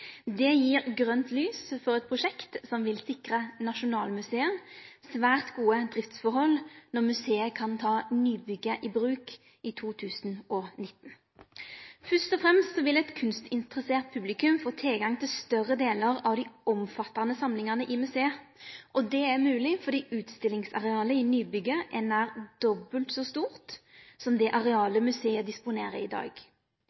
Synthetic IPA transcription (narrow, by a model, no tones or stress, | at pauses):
d̪ɛjiːʁɡʁœnt̪lyːsfɔʁɛt̪̚pʰʁʊʂɛkt̪sɔmʋɪlsɪkʁənɑʃʊnɑːlmʉseːənsʋæːʁt̪ɡuːəd̪ʁɪft̪sfɔɾhɔlnɔʁmʉseːəkʰɑnt̪ʰɑːnyːbʏɡəʔibʁʉːk | ɪt̪ʰuːt̪ʰʉːsnʔɔnɪt̪ːn̩ | fœst̪ɔfʁɛmst̪sɔʋɪlɛt̪kʰʉnst̪ɪnt̪ʁəseːʁt̪̚pʰʉblɪkʉmfoːt̪ʰɪlɡɑŋt̪ʰɪlst̪œʁəd̪eːləʁɑʋd̪ɪɔmfɑt̪ːɑnəsɑmlɪŋənəʔɪmʉseːəʔɔd̪ɛæmʉːlɪfɔʁd̪iːʔʉːt̪st̪ɪlɪŋsɑ̰ʁɛɑːləɪnyːbʏɡəʔɛnæːʁd̪̥ɔbəlt̪sɔst̪uːʁt̪sɔmd̪ɛʔɑʁɛɑːləmʉseːəd̪ɪspʊneːʁəɪd̪ɑ̰ːɡ